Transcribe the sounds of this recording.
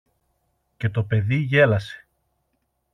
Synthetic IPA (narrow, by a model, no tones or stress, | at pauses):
ce̞t̪o̞pe̞ðiʝe̞lɐse̞̥